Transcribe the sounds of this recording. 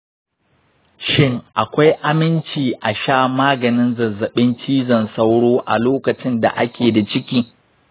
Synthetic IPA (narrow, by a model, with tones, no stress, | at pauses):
ʃɪ˦ŋʔa˨kʷa˦jʔa˦mɪ˦nt͡ʃiː˨ʔa˨ʃaː˦maː˦ɡɐ˨nɪ˦nzɐ˨zɐ˨ɓɪ˦nt͡ʃiː˦zɐ˨nsa˦wɽoː˦ʔa̰˨loː˦kɐ˨t͡ʃɪ˦nda̰˨ʔa˦kʲeː˨da˨t͡ʃɪ˦kʲiː˦